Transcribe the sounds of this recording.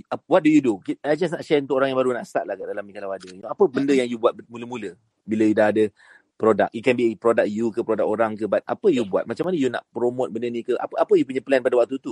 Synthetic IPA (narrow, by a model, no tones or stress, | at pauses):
awat̪̚dujudukiad͡ʒas̬naʔʃɛɾunt̪ʊkoɾaŋjaŋbaɾunaʔst̪at̪̚lahkadalamikalawadəjapəbəndəjaŋjubuat̪̚muləmũlə | biləjudaɦadə | pɾoda̰k̚jukɛnbipɾodak̚jukəpɾodakoɾaŋkəbat̪̚a̰pəjubua̰t̪̚mat͡ʃamanəjuna̰ʔpɾomot̪̚bəndənĩkəʔa̰papəjupuɲapəlɛnpadawak̚t̪ut̪u